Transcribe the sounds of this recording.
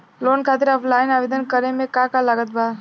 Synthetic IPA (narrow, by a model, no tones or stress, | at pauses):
loːnkʰaːt̪ɪɾɔːpʰlaːɪnaːʋeːd̪ənkəɾemẽkakalaɡət̪̚baː